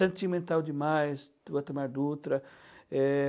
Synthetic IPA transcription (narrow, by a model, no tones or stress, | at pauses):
ẽnt̪imẽnt̪awd͡ʒɪmajsdɐt̪emaɾd̪ut̪ɾɐɛ